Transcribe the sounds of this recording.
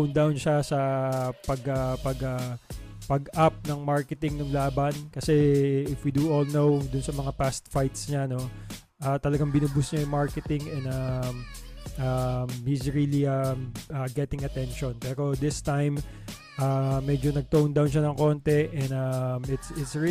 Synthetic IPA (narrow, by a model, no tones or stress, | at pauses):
wnd̪awnʃasɐpɐɡɐpɐɡɐpɐɡʔap̚nɐŋmaɹkɛt̪ɪŋnʊŋlaːbɐnkɐsɛɪfwid̪uʔolnowd̪ʊnsɐmɐŋapast̪̚fajt̪sɲano̞ | ʔɐːt̪ɐlɐɡaŋbɪnɐbʊsɲajʊmaɹkɛt̪ɪŋɛ̃nɐmʔɐmhisɹiliɐmʔɐɡɛt̪ɪŋɐt̪ɛnʃonpɛːɾo̞d̪ɪst̪ajm | ʔɐmɛd͡ʒonɐɡ̚t̪ownd̪awnʃanɐŋko̞nt̪ɛʔɛnd̪ɐmɪt̪sɪt̪s